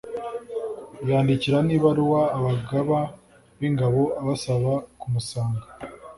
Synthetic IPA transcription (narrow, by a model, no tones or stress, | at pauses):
jaːndiciɾaniβaɾuwaːβaɡaβa | βiŋɡaβo̞aβasaβakumusaːŋɡa